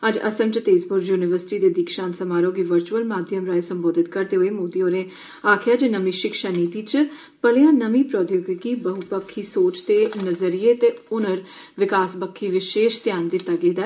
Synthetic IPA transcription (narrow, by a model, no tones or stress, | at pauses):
əd͡ʒə̰səmt͡ʃət̪eːzbʊɾjuːnɪʋəɾsɪ̥ʈiːd̪eːd̪iːkʃaːnsəmaːɾoːɡiːʋəɾt͡ʃuəlmaːd̪ʱjəmɾaːesəmboːd̪ɪt̪kəɾd̪eːɦoeːmoːd̪iːõːɾẽː | aːkʰjaːd͡ʒnəmĩːʃɪkʃaːniːt̪iːt͡ʃ | pəlɪjãːnəmiːpɾɔːd̪joːɡkiːbəɦʊt̪bəkʰːiːsoːt͡ʃt̪eːnəzəɾiːeːt̪eːʊnəɾ | ʋɪkaːsbəkʰːiːʋɪʃeːʃt̪ɪjaːnd̪ɪt̪ːaːɡeːd̪aː